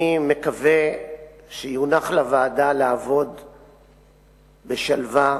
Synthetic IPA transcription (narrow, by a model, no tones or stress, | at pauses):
ime̞kave | ʃejunaχlavaːdalaavo̞d̪ | beʃalva